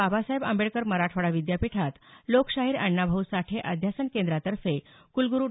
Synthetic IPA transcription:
abʱasaɦebə̰mbeɭkəɾməɾaʈʰəɽaʋid̪japiʈʰat̪lokɕaɦiːɾəɳːabʱəwsaʈʰeʔəd̪ʱjasənkend̪ɾat̪əɾfe | kulɡuɾu

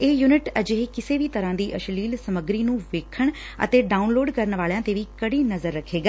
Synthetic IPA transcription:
eːjuːnɪʈəd͡ʒeɦekɪseːʋiːt̪əɾãːd̪iːʔəʃliːlsəməɡɾiːnũːʋeːkʰəɳ | ə̰t̪eːɖaːʊnloːɖkəɾnʋaːljãːt̪eːʋiːkəɽiːnəzəɾːəkʰːeːɡaː

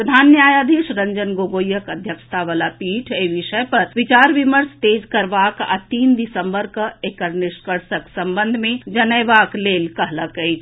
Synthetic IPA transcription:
pɾəd̪ʱaːnːjaːjaːd̪ʱiʃɾə̃ɲd͡ʒənɡoːɡoːjəkəd̪ʱjəkʃə̥t̪ʰaʋalapiːʈʰeʋɪʃəpɐɾʋɪt͡ʃaːɾʋiməɾst̪eːd͡ʒkɐɾʋaːka̰t̪iːnd̪ɪsəmbəɾkəekəɾnɪʃkəɾsəksɐ̃mbə̃nd̪ʱmẽd͡ʒɐnəjʋaːkleːlkɐɦləkəi

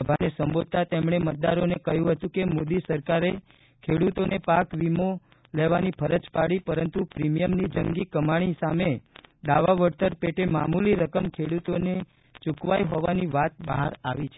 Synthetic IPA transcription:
əbʱanesəmbod̪̚t̪at̪emɳ̃emət̪̚d̪aɾonekəjũɦət̪ũkemod̪isəɾkaɾe | kʰeɽut̪onepakʋimo | leʋanipʰəɾəd͡ʒpaɽipəɾənt̪upɾimijəmnid͡ʒəŋɡikəmaɽ̃isamed̪aʋaʋəɾt̪əɾpeʈemamuliɾəkəmkʰeɽut̪one | t͡ʃukʋajɦɔʋaniʋat̪̚ba̰ɦa̰ɾaʋit͡ʃʰe

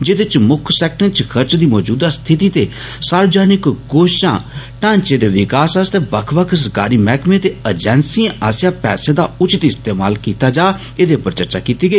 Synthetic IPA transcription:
d͡ʒed̪ɪt͡ʃmʊkʰsɛːk̚ʈə̃nt͡ʃkʰəɾt͡ʃd̪iːmɔːd͡ʒuːd̪ast̪ʰɪt̪it̪e | saːɾd͡ʒaːnɪkɡoːʃʃã̰ːʈãːnt͡ʃed̪eːʋɪkaːsəst̪ebɐkʰbəkʰsɡa̰ːɾimɛːkʰmẽt̪eəd͡ʒɛ̃ːnsiẽʔaːsjãːpɛ̰ːsed̪aʊt͡ʃɪt̪ɪst̪eːma̰ːlkiːt̪ad͡ʒaː | ed̪epəɾt͡ʃəɾt͡ʃakiːt̪iɡəiː

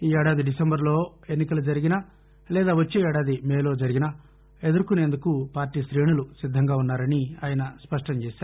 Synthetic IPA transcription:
iːɛɽaːd̪iɖisembɐɾlo̞ː | e̞nːikɐlud͡ʒɐɾiɡinɐ | lɛːd̪aːʋɐt͡ʃːeːɛɽaːd̪imeːlo̞ːd͡ʒɐɾiɡinɐ | e̞d̪uɾukune̞ːnd̪ukupaːɾʈiːʃɾeːɳulusid̪ʱːɐŋɡaːunːaːɾɐniaːjɐnɐspɐʂʈɐɲt͡ʃeːsaːɾu

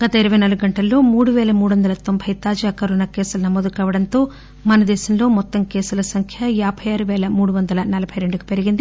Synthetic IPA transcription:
ɡ̥ɐt̪ɐiɾɐʋɐjnɐluɡuɡɐɳʈɐlːo̞ːmuːɽuʋɛːlɐmuːɽuʋɐnd̪ɐlɐt̪o̞mbʱɐjt̪aːd͡ʒiɐkɐɾunɐkeːsulnɐmoːd̪ukɐːʋɐɽɐnt̪o̞ː | mɐnɐd̪ɛːʃɐmlo̞ːmɔt̪ːɐmkeːsulɐsɐŋkʰjɐjaːbʱɐjaːɾuʋɛːlɐmuːɽuʋɐnd̪ɐlɐnɐlɐbʱɐjɾe̞ɳɖuki̥pe̞ɾiɡind̪i

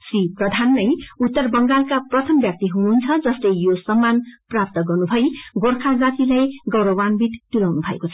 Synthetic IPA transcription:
sriprʌd̪ʱanːʌjut̪ːʌrbʌŋɡalkaprʌt̪ʰʌmbjak̚t̪iɦununt͡sʰʌd͡zʌslʌjjosʌmːanprap̚t̪ʌɡʌrnubʱʌjɡorkʰad͡zat̪ilajɡʌwɾʌwanbʱit̪t̪ulawnubʱʌḛkot͡sʰʌ̥

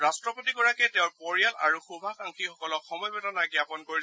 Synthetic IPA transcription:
ɹastɹɔpotikɔɹakɛtɛʊ̃ɹpɔɹialaɹuxubʱakãŋkʰixɔkɔlɔkxɔmɔjbɔtanaɡjapɔnkoɹi

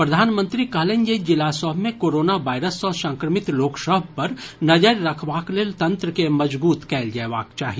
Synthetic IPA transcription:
pɾɐd̪ʱaːnmə̃nt̪ɾikɐɦlẽnjed͡ʒɪlasɔːbmẽkoːɾoːnaʋaːɪɾəsɔːɾsɐ̃ŋkɾəmɪt̪loːksəbʱpɐɾnɐd͡ʒəɾːɐkʰʋaːkleːlt̪ɐ̃nt̪ɾəkemɐd͡ʒbuːt̪kɛːld͡ʒɛːʋa̰ːkt͡ʃaːɦie

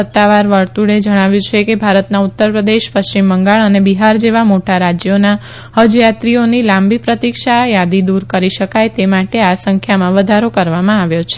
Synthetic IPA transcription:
ət̪ːaʋaɾʋəɾt̪uɽed͡ʒəɽ̃aʋjũt͡ʃʰekebʱaɾət̪naut̪ːəɾpɾəd̪eʃpəʃt͡ʃimbəŋɡaɭənebiɦaɾd͡ʒeʋamoʈaɾad͡ʒjona | həd͡ʒjat̪ɾionilãmbipɾət̪ikʃajad̪id̪uɾkəɾiʃəkajt̪emaʈeasə̃ŋkʰjamãʋəd̪ʱaɾokəɾʋamãaʋjot͡ʃʰe

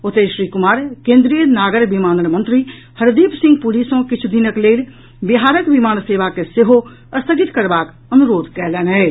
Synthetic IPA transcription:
ʊt̪eːʃɾiːkʊmaːɾkẽːnd̪ɾijənaːɡəɾʋimaːnənmɐ̃nt̪ɾi | hɐɾd̪iːpsɪ̃ŋɡ̚puliːsõkɪt͡ʃʰud̪inəkleːl | bɪɦaːɾəkʋimaːnseːʋakeseɦo | ɐst̪ʰəɡɪt̪kɐɾbaːk | ɐnʊɾoːd̪kɛːlɛːnɦɛː

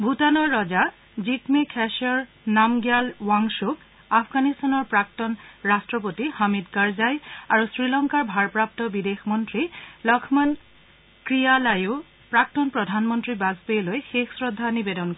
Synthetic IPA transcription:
bʱutanɔɹːɔza | zikmikʰɛʃɔɹ | namɡjalwaŋsuk | apʰɡanistanɔɹpɹak̚tɔnɹastɹɔpotihamidkaɹzajaɹusɹilɔŋkaɹbʱaɹpɹap̚tɔbidexmɔntɹilɔkʰman | kɹijalaju | pɹak̚tɔnpɹɔdʱanmɔntɹibazbelojxexsɹɔdʱːanibedɔnkɔ

